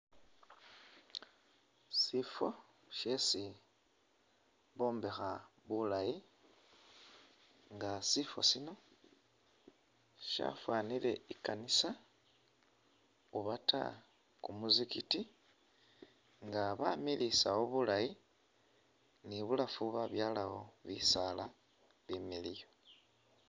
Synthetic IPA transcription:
sifo̞ | ʃe̞si | βo̞ːmbexaβulaji | ŋɡasifo̰sino̞ | ʃa̰fwaːnile̞̰ikanisa | uβatʰa̰ | kumuzikiti | ŋɡaβamilisawo̞βulaji | niβulafuβaβjaːlaɣo̞βḭsala | limilijo̞

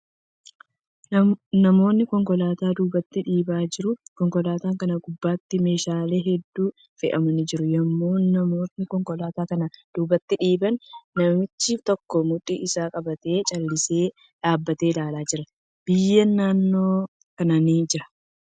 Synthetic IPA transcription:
nɐmo̞ːnːɪkɔŋkɔlaːt̪aːd̪uːbɐt̪ːɪᶑiːbaːd͡ʒɪɾʊkɔŋkɔlaːt̪aːŋkɐnɐɡʊbːaːt̪ːɪme̞ːʃaːle̞ːɦɛd̪ːuː | fɪʔɐmɐnɪd͡ʒɪɾʊjɐmːo̞ːnːɐmo̞ːt̪ːɪkɔŋkɔlaːt̪aːkɐnɐd̪̥uːbɐt̪ːɪᶑiːbɐnːɐmmɪt͡ʃːift̪ɔkːɔmʊᶑʼiʔɪsaːkʼɐbɐt̪e̞ːt͡ʃʼɐlːɪse̞ː | ᶑaːbːɐt̪e̞ːlaːlaːd͡ʒɪɾɐ | b̥ɪjːɐnːaːnːo̞ː | kɐnɐnid͡ʒɪɾɐ

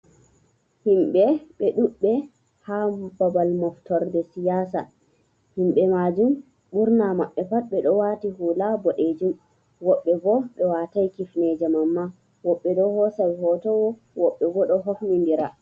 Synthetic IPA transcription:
himɓɛɓɛɗuɓːɛ | hababalmɔftɔɾdɛsijaːsa̰ | himɓɛmaːd͡ʒum | ɓuɾnamaɓːɛpatɓɛɗɔwatihulabɔɗed͡ʒum | wɔɓːɛbɔɗɔwatajkifnɛd͡ʒɛmamːa | wɔɓːɛdɔhɔsawihɔtɔwɔ | wɔɓːɛɡɔɗɔɦofnindiɾa

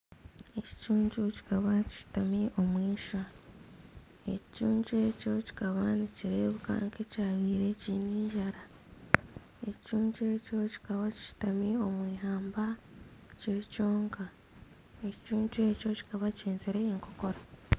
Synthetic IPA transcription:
eci̥cuːɲɟuci̥kaβaci̥ʃi̥tamiʔo̞mwiːʃa | e̞cicuːɲɟue̞ːco̞ci̥kaβaniciɾeβuka̰ŋkecaːβiːɾe̞ciːniːɲʒaɾa | eccuːɲd͡ʒeːco̞ci̥kaβaci̥ʃi̥tamio̞mwiːɦaːmbaceco̞ːŋka | ecicuːɲt͡ʃue̞co̞ci̥kaβaceːnzeɾeeːŋko̞ko̞ɾa

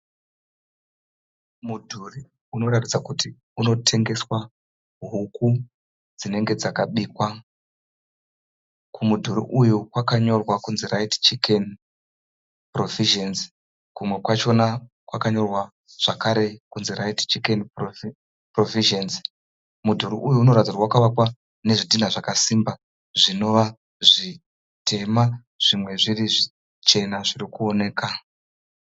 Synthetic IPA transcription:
mudʱuri | uno̞ratid͡zakuti | uno̞tʰe̞ŋɡe̞swa | ɦuku | d͡zine̞ŋɡe̞d͡zakaɓiːkwa | kʰumudʱuɾḭʔujukwakaɲo̞rwakunziraiti̥t͡ʃiken | pro̞viʒenz | kumwe̞kwat͡ʃo̞na | kwakaɲo̞rwa | ʐ̥akaɾe̞kunzeraiti̥t͡ʃikenr | proviʒenz | mudʱuɾuʔujuːno̞ɾad͡zirwawakuʋakwa | ne̞ʐidʱinaʐakasimba | ʐino̞ʋa | ʐi | tʰe̞ma | ʐ̥imwe̞ʐiriʐi | t͡ʃe̞naʐirikuone̞ːka

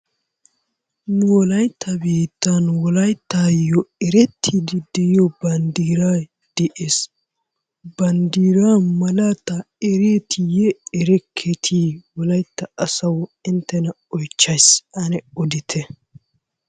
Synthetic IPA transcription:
nʊwɔlɐjt̪ʰːɐbiːt̪ːɐnwɔlɐjt̪ːajɔɛɾɛt̪ʰːid̪ɪd̪ɛjɔbɐnd̪iːɾaː | d̪̥ɛʔeːs | bɐnd̪iːɾaːmɐlat̪ɐ | ɛɾeːt̪ɪjɛɛɾɛkʰːɛt̪ʰiːwɔlɐjt̪ːɐɐsɐwɪnt̪ːɛnɐ | ɔjt͡ʃːɐjsɐnɛɔd̪ɪt̪ʰɛ

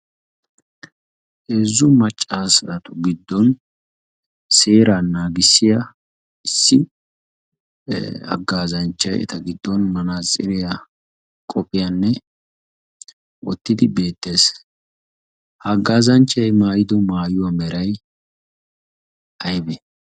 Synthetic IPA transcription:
eːzːʊmɐt͡ʃʼːaːsɐt̪ʊɡɪd̪ːɔn | se̞ːɾanːaːɡɪsːɪjɐ | ɪsːɪ | ɐ̰ɡːaːzɐnt͡ʃːɐjɛ̰t̪ɐɡɪd̪ːɔnmɐnaːt͡sʼːɪɾɪjɐ | kʼɔpʼɪjɐnːɛ | wɔ̰t̪ːɪd̪ɪbe̞ːt̪ːe̞ːs | hɐɡːaːzɐnt͡ʃːɐjmaːjɪd̪ɔmaːjʊwɐmɛɾɐj | ʔɐjbɛ

